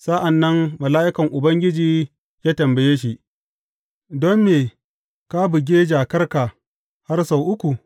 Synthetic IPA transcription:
sa˦ʔa˨nːɐ˦ŋmɐ˨laː˦ʔɪ˦kɐ˨ŋʔʊ˨bɐ˦ŋɡʲɪ˦d͡ʒiː˨ | jaː˦tɐ˨mbɐ˨jeː˦ʃ̬i˨ʔ | dɔ˦mːeː˨ | ka˦bʊ˨ɡʲeː˦d͡ʒaː˨kɐ˦rka˨ | ha˦rsa˨wʔʊ˦kʷu˨

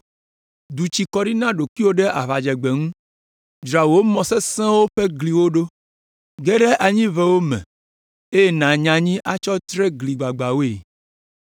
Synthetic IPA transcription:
d̪u˨t͡ɕi˨kɔ˦ɖi˦nã˦ɖo˨ki˦wo˦ɖɛ˦ʔa˨βa˨d͡ʒɛ˨ɡ͡be˨ŋũ˦ | d͡ʒɾa˨wo˦mɔ̃˨sɛ˦sɛ̃˦wo˦ɸe˦ɡli˨wo˦ɖo˦ | ɡɛ˦ɖɛ˦ʔa˨ɲĩ˦vɛ˦wo˦mɛ̰̃˨ | e˦je˦nã˨ɲã˨ɲĩ˦ʔa˦t͡ʃɔ˦t̪ɾɛ˦ɡli˨ɡ͡ba˨ɡ͡ba˨wo˦e˨

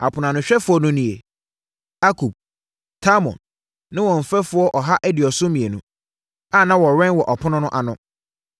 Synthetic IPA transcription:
a̰˨pʰʊ˨nã˨nʊ̃˨ɕᶣɛ˦fʊ˦ɔ˦nʊ̃˦nĩ˨e˨ | a˦kʰu˨b̚ | tʰa˦mɔ̰̃˨nː | ɪ̃˦wɔ̃˨m̩˨fɛ˦fʊ˦ɔ˦ʔɔ˨ɦa˦ʔɛ˦dɪ˨ɔ˨sʊ˦mĩ˨e˨nũ˦ | a˦˨nã˦wɔ˨ɾɛ̃˦nwɔ˨ʔɔ˨pʰʊ˦nʊ̃˦nʊ̃˦ʔa˨nʊ̃˦

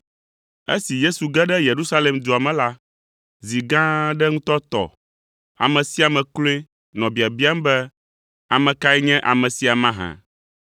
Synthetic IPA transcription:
ḛ˦si˨je˦su˨ɡɛ˦ɖɛ˦je˨ɾu˦sa˦le˨md͡ʒ̪o˨a˨mɛ̃˨la˦ | zi˨ɡã˦ɖɛ˦ŋũ˦t̪ɔ˦t̪ɔ̰˨ | a̰˨mɛ̃˨si˦a˨mɛ̃˨klo˦e˦ | nɔ̃˨bi˨a˨bi˦a˦m˦bɛ˦ | a˨mɛ̃˨ka˦ɛ˦ɲɛ̃˦ʔa˨mɛ̃˨si˨˦a˨mã˦ɦã̰˨

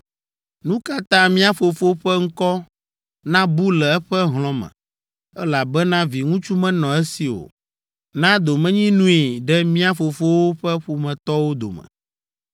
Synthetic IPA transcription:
nũ˦ka˦t̪ã˦mĩ˦a˦fo˨fo˦ɸɛ˦ŋ̩˦kɔ˦ | nã˦bu˦lɛ˨ɛ˦ɸɛ˦ɦl̃ɔ̃˦mɛ̰̃˨ | ɛ˦la˨bɛ˦nã˦vi˨ŋũ˦t͡ʃu˦mɛ̃˦nɔ̃˨ɛ˦si˨wo̰˨ | nã˦d̪o˨mɛ̃˦ɲĩ˦nũ˦i˨ɖɛ˦mĩ˦a˦fo˨fo˦wo˦ɸɛ˦ɸu˨mɛ̃˨t̪ɔ˦wo˦d̪o̰˨mɛ̰˨

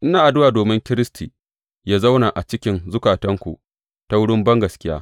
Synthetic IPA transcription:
ʔɪ˦naː˨ʔa˨dʊ˦waː˨doː˨mɪ˦ŋkʲɪ˦ɾɪ˦stʰiː˨ | jaː˦za˦wna˨ʔa˨t͡ʃɪ˦kʲɪ˦nzʊ˦kaː˨tɐ˦ŋkʷṵ˨ʔ | ta˦wʊ˦ɽɪ˦mbɐ˦ŋɡɐ˨skʲɪ˦jaː˦

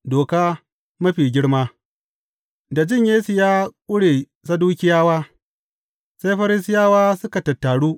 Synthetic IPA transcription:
doː˨kaː˦ | mɐ˦ɸiː˨ɡʲɪ˦ɽmaː˦ | da˨d͡ʒɪ˦˨ɲjeː˦su˨jaː˦kʷʼʊ˦ɽeː˨ | sa˦duː˦kʲɪ˦jaː˦waː˦ | sa˦jɸɐ˦ɾɪ˦s̬ɪ˦jaː˦waː˦sʊ˦ka˨tɐ˨tːaː˨ɽuː˦

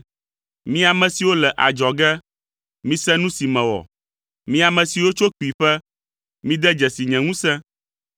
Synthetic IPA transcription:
mĩ˦a˨mɛ̃˨si˨wo˦lɛ˨ʔa˨d͡ʒɔ˨ɡɛ˦ | mĩ˦sɛ˦nũ˦si˨mɛ̃˨wɔ̰˨ | mĩ˦a˨mɛ̃˨si˨wo˦t͡ʃo˦k͡pi˨ɸɛ˦ | mĩ˦d̪ɛ˦d͡ʒɛ˨si˨ɲɛ̃˨ŋũ˦sɛ̃˦

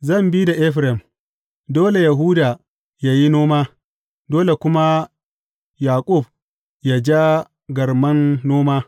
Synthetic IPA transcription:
zɐ˦˨mbi˦da˨ʔɛ˦ɸɾɛ˨m | doː˦le˨ja˨ɦuː˦daː˨ | ja˦ji˦noː˦maː˦ | doː˦le˨kʷʊ˦ma˦ | jaː˨kʼʊ˦˨b̚ | ja˨d͡ʒa˦ | ɡɐ˨rmɐ˦nːoː˦maː˦

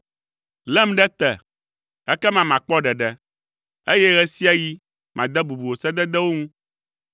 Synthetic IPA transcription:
lɛ˦m˦ɖɛ˦t̪ɛ˨ | ɛ˦kɛ˦mã˨mã˨k͡pɔ˦ɖɛ˨ɖɛ˦ | e˦jɛ˦ɣɛ˦si˦a˦ji˦ | mʔã̰˨d̪ɛ˦bu˨bu˨wo˨sɛ˦d̪ɛ˦d̪ɛ˦wo˦ŋũ˦

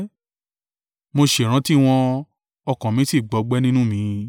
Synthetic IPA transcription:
mo˧ʃe˨ɾ̃ã˨˦ti˦w̃ɔ̃˧ | ɔ˧kã˨mĩ˨˦si˦˨ɡ͡bɔ˨˦ɡ͡bɛ˦nĩ˦nũ˦mĩ˨˧˦

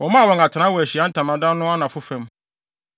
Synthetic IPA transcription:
wɔ̃˨mã˦˨wɔ̃˨ŋa˨tʰɪ˨nã˦wɔ˨æ˨ɕi˨ã˦n̩˦tʰã˨mã˨dã˦nʊ̃˦a˦nã˨fʊ˦fɛ̃˨˦m

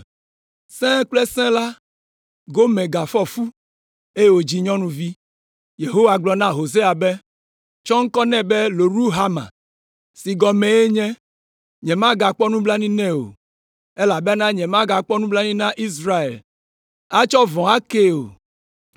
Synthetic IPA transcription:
sɛ̃˦k͡plɛ˦sɛ̃˦la˦ | ɡo˦mɛ̃˨ɡa˨fɔ˦fu˦ | e˦je˦wo˨d͡ʑi˨ɲɔ̃˦nũ˦vi˦ | je˨ɦo˦wa˨ɡ͡blɔ˨nã˦ɦo˨s̬e˦a˨be˦ | t͡ʃɔ˦ŋ̩˦kɔ˦nɛ̃˦bɛ˦lo˨ɾu˦ɦa˦mã̰˨ | si˨ɡɔ˨mɛ̃˨je˦ɲɛ̃˦ | ɲɛ̃˨mã˦ɡa˨k͡pɔ˦nũ˦bla˦nĩ˦nɛ̃˦o̰˨ | e˦la˨be˦nã˦ɲɛ̃˨mã˦ɡa˨k͡pɔ˦nũ˦bla˦nĩ˦nã˦ʔi˦s̬ɾa˦ḛ˨l | a˦t͡ʃɔ˦vɔ̃˨a˦ke˦o̰˨

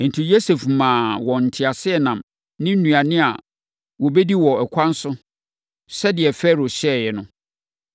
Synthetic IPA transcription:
n̩˨tʰi˨jo˦se˨fmãː˨wɔ˨n̩˨tʰɪ˨a˨sɪ˦ɛ˨nã˨m | nɪ̃˦n̩˦nũ˨a˨nɪ̃˦a̰˨ | wɔ˨bɛ˦di˦wɔ˨ɛ˨kʷʰã˦n̩˦sʊ˦ | sɛ˦dɪ˨ɛ˨fɛ˦ɾo˨ɕɛ˦˨jɛ˨nʊ̃˦

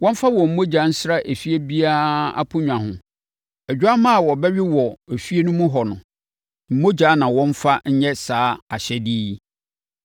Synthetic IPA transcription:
wɔ̃˦m˦fa˦wɔ˨m̩˨mo˦d͡ʑa˨˦n̩˦sɾa˦ʔe˨fi˦e˦bi˦a˦a̰˦pʰʊ˦ɲᶣ˨ã˨hʊ̃˨ | ɛ˨d͡ʑᶣa˦mã˦a˨wɔ˨bɛ˦ɥɪ˦wɔ˨e˨fi˦e˦nʊ̃˦mũ˦ɦɔ˨nʊ̃˨ | m̩˨mo˦d͡ʑa˨˦nã˨wɔ̃˦n˦fa˦ɲ̩˦ɲɛ˦saː˦a˨ɕɛ˦diː˦

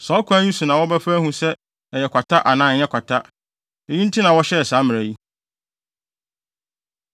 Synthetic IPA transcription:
sɔ˨˦kʷʰã˦ɲĩ˦su˨nã˨wɔ˦bæ˦fæ˦hũ˦sɛ˦ | ɛ˨jɛ˨kʷʰa˨tʰa˦ʔa˨nãː˦˨˦ɲɛ̃˦kʷʰa˨tʰa˦ | e˨ji˦n˦tʰi˦nã˨wɔ˦ɕɛ˦ɛ˨saː˨˦mɪ̃˨ɾæ˨ji˦

